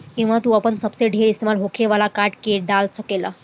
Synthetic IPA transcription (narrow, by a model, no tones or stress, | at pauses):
kĩw̃ʋ̤at̪uːapəɳsəpseɖʱeɾist̪emalɦokʰeʋalakaʈkeɖalsəkela̰